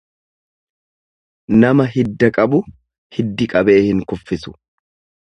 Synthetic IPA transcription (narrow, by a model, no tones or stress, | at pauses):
nɐmɐɦɪd̪ːɐkʼɐbʊ | hɪd̪ːɪkʼɐbe̞ːhɪŋkʊfːɪsʊ̥